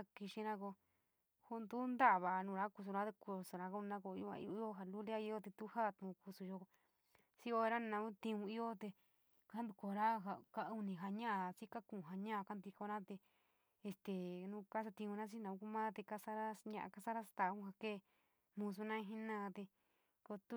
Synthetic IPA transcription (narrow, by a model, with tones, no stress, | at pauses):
a˧ki˧ʃi˧ɾã˦ko˧ | ho˧nd̪u˦nd̪a˦ʔβa˨ʔnũː˨˧ɾa˦ku˧s̬u˧ɾa˦t̪e˧ku˧su˧ɾã˧ko˧˦˧nã˦ko˧˨i˧u˧ã̰˧ḭ˧˦˧i˦o˦ɦa˧lu˦la˦i˧o˦t̪e˧t̪u˦ha˦˨t̪ũ˧˨˧ku˧su˧ʒo˧ | si˦o˧e˧ɾa˦nã˧ũ˦t̪ĩ˧ũ˧i˦o˦t̪e˧ | ka˦nd̪u˧ko˧˨˧ɾa˦ɦa˧ka˧u˧nĩ˨˧ɦa˧ɲã˦a˧t͡si˦ka˦kũ˨ɦa˧ɲã˦a˧ka˦nd̪i˧ko˧nã˦t̪e˧ | e˧˨st̪e˨nũː˧ka˦s̬a˧t̪ĩ˧ũ˧nã˦t͡ʃ̬i˦nã˧ũ˧ku˦˧mã˦t̪e˧ka˦sa˦ɾa˦ɲã˧ʔa̰˧ka˧sa˦ɾa˦sḁ˧t̪a˧˨˧hũ˦ha˧keː˦˨ | mũ˧s̬u˧nã˦ĩ˧ɦĩ˦nã˦˧t̪e˧ | ko˧t̪u˦